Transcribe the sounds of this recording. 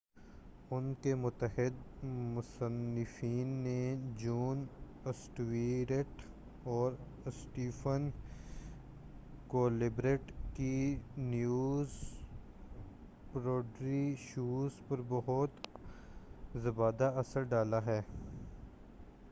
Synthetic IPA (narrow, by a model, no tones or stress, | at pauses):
ʊnkemʊt̪ːəɦɪd̪mʊsənːɪfiːnːed͡ʒuːn | ɪsʈʋiːɾeʈ | ɔːɾ | ɪsʈiːfən | koːlɪbɾeːʈkinjuːz | pɾoːɖɾiʃuːzpɐɾbɐɦʊt̪ | zɐbaːd̪aɐsəɾɖaːlaɦɛː